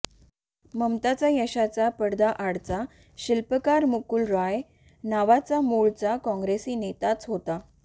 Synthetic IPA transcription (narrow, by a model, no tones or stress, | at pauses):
məmt̪at͡sajəɕat͡sapəɽd̪aʔaɽt͡sa | ɕilpəkaɾmukulɾaj | naʋat͡samuɭt͡sakɔ̃ŋɡɾesiːnet̪at͡sɦot̪a